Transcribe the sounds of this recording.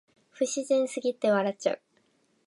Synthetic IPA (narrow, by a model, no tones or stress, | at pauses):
ɸɯ̟ɕiʑẽɰ̃sɨɡʲit̪ːe̞βaɾat͡ɕa̰ɯ̟